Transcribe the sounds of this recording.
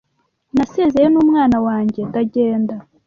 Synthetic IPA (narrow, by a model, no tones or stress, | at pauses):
naseːzejenuːmŋaːnawaːɲɟetaɟe̞ːnda